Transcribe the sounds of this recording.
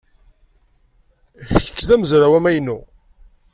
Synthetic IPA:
çəə̥kːðæməzɾawæmæjnːu

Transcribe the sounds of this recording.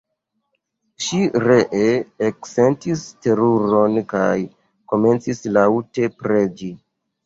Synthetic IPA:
ʃiɾe̞ʔeːkse̞ntiste̞ɾuɾo̞nkaj | ko̞me̞nt͡sislaute̞pɾed͡ʒi

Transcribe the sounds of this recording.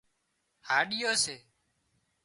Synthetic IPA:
haːɗɪjoːseː

